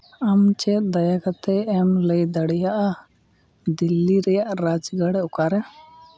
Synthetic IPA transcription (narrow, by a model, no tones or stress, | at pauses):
amt͡ʃɛd̪ɐjakat̪ɛːmləjd̪əɽɛjaʔa | d̪ilːiɾɛjaʔɾad͡ʒɡaɽɛʊkaɾɛ